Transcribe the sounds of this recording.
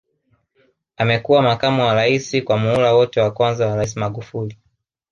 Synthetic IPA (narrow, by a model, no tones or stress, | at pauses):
amɛkuwamakamuwaɾaisikwamuulawɔtɛwakwanzawaɾais̬imaɠufuli